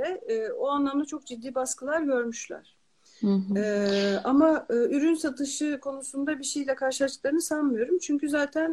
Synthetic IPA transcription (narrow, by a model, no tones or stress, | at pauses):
ɛːoanlˠamd̪at͡ʃʰo̞k̚d͡ʒid̪ːiːbaskɯlˠaɾɟø̞ɾmyʃlʲæ̰ɾ̥ | ɛamaɯːyɾynsat̪ʰɯʃɯkʰo̞nusund̪abiʃejlʲɛkʰaɾʃɯlˠaʃklˠaɾɯnɯsanmɯjo̞ɾumt͡ʃʰyɲcyzaːt̪ʰæn